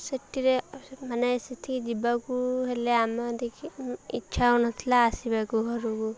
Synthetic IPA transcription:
səʈːiɾemanesit̪ʰid͡ʒibakuɦeleamɔd̪ekʰiḭtːt͡ʃʰaunɔt̪ʰilaːsibakuɦɔɾuku

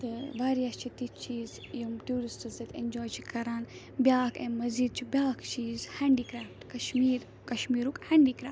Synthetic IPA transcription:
t̪ɨʋaːɾijɐst͡ʃʰit̪it͡ʃʰiːz | jumʈuːɾisʈɨzd̪ɐt̪ʰḛ̃nd͡ʒɔːjt͡ʃʰi̥kʰɐɾaːn | bjaːkẽmɐziːd̪̚t͡ʃʰibʲjaːkt͡ʃʰiːzhaːɳɖikɾaːftkɐʃmiːɾ | kɐʃmiːɾukhaɳɖiːkɾa̰ːf

